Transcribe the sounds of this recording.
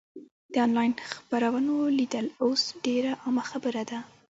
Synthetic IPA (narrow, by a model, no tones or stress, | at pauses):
d̪̥əɑnlɑjnxpaɾawənolid̪əlosɖeɾaʔɑmaxabəɾad̪a